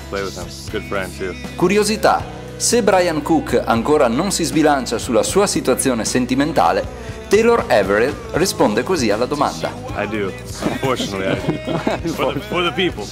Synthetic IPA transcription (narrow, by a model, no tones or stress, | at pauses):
pl̥eɪwɨð̥ə̰̃m | ɡ̥ʊd̥fɹɛ̃nd̥tʉ | kuɾjozit̪a̰ | sebɾajaŋkukʰːa̰ŋkoːɾanonsizbilant͡ʃasulːasuːasit̪uat̪sːjoːnesent̪iment̪a̰ːle | t̪eloɾɛveɾil | rispond̪ekozialːad̪oma̰nd̪a̰ʔa̰ɪdṵ̃ | mfɔɹt͡ʃnətˡlia | ffə˞ðəpipl̩ˠ